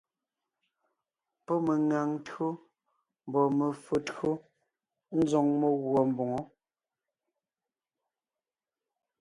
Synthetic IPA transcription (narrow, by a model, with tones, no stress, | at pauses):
pɔ˦me˨ŋa˨ŋ˦tɰo˦ | m˨bɔ˨me˨fo˨to˦ | n̩˦zɔ˨ŋme˦ɣwɔ˨m̩˨bo˨ŋo˦